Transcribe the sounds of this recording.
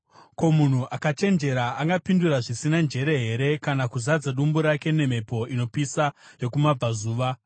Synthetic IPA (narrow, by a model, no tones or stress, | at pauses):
ko̞mun̤uʔakat͡ʃe̞nd͡ʒe̞ɾaaŋɡapinduɾaʐisinand͡ʒe̞ɾe̞ɦe̞ɾe̞kanakuzad͡zaɗumbuɾake̞ne̞me̞po̞ino̞pisajo̞kumab͡vazuːʋa